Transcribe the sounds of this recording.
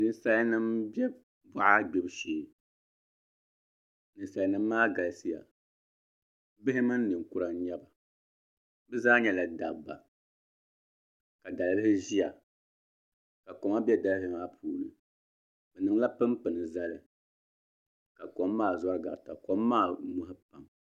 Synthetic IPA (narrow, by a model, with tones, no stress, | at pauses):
nɨ˨n˦sa˦lnɨ˦mbɛ˦ | bɔ˨ʔa˦ɡ͡bɛ˦bɨ˦ʃeː˨ | nɨ˨sa˨lnɨ˦mː˦aː˦ɡa˨lsi˦ja̰˨ | bɨ˦ɦɪ˦mɨ˦nː˦ɨ˨ŋ˨ku˦ɾa˨˦ɲɛ˦ba˨ | bɨ˦zaː˦ɲɛ˦la˨da˨bːa˨ | ka˨da˨lɨ˦lɨ˦hɪ˦ʒi˦ja˨ | ka˨kɔ˨ma˦bɛ˦da˨lhɪ˦maː˦pʰuː˨lɨ̰˨ | bɨ˨nɨ˨ŋ˦la˦pɨ˦mpɨ˨nɨ˨za˦lɨ˨ | ka˨kɔ˨˦mː˦aː˦˨za˦ɾɨ˦ɡa̰˨ta˨kɔ˨˦mːaː˦˨mʊ˦ɦɨ˦pa˨m